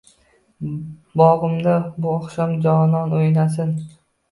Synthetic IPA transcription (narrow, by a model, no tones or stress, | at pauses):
bɒʁɨmd̪abʊɒχʃamd͡ʒɒnɒnojnasɪn